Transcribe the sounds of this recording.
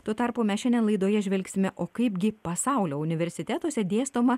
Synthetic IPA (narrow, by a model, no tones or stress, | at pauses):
t̪oːt̪ɐɾpoːmʲɛsʃʲɛnd̪ʲɛnlˠɐɪd̪oːjɛʒʲʋʲɛlʲksʲɪmʲɛʔoːkɐɪpɡʲɪpɐsɑˑʊlʲoːʊnʲɪʋʲɛɾʲsʲɪt̪ʲæt̪uɔsʲɛd̪ʲeːst̪oːmɐ